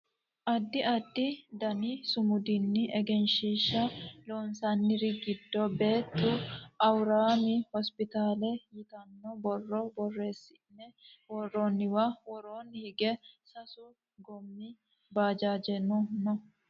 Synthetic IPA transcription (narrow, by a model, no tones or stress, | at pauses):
ʔɐd̪ːɪʔɐd̪ːɪd̪ɐnisʊmʊd̪ɪnːɪʔɛɡɛnʃiːʃːɐloːnsɐnːɪɾɪɡɪd̪ːɔbe̞ːt̪ːʊʔɐwɾaːmɪhɔspɪt̪aːlɛjɪt̪ɐnːɔbɔrːɔbɔrːe̞ːsːɪnːɛwɔrːoːnːɪwawɔɾoːnːɪhɪɡɛsɐsʊ | ɡɔmːɪ | baːd͡ʒaːd͡ʒɛnɔnɔ